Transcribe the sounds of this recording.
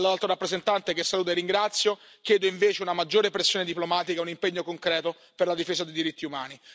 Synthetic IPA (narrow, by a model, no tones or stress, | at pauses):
lalt̪ɾoɾapːɾezent̪ant̪ek̟esːaluːt̪̬arːiŋɡɾat̪sːjo | k̟jɛːd̪oiɱveːt͡ʃeunamad͡ʒːoːɾepɾesːjoːned̪iplomaːt̪ikaunimpeɲːokoŋkɾɛːt̪o | perlad̪ifeːzad̪ejd̪iɾit̪ːiumaːni